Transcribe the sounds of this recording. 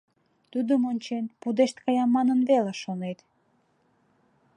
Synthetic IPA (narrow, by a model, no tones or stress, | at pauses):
t̪ud̪əmonʲt͡ɕenpud̪eʃt̪̚kɑjɑmːɑnənβeleʃonet̪